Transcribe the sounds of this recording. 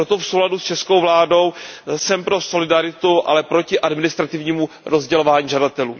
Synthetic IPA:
ɾo̞t̪ofsowladust͡ʃɛsko̞wvlaːdo̞wsɛmpɾo̞so̞lɪdaɾɪt̪uʔa̰lɛpɾo̞cɪʔadmɪnɪst̪ɾat̪ɪvɲiːmu | ɾo̞zɟɛlo̞vaːɲiːʒadat̪ɛlṵː

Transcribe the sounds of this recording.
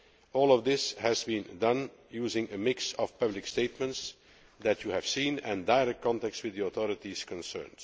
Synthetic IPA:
ɔːlˠɔvd̪ɪshæzbĩndʌ̃njuːzɪ̃ŋəmɪksɔfpʌblɪksteɪtmə̃nts | dætjuhæv̥sĩːnɨ̃ndaɪɹɛk̚t̚kʰɑ̃ntɛkstwɪððiɔθɔɹɨtiz̥kɔ̃nsɜ̰ːnd

